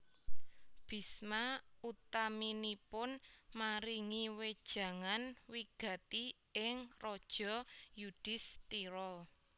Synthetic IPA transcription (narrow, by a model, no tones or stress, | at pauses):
b̥i̤smaut̪aminipʊnmaɾiŋiwed̥ʒ̥ä̤ŋanwiɡ̥ä̤t̪i | ɪŋrɔd̥ʒ̥ɔ̤jud̥ɪ̤st̪iɾɔ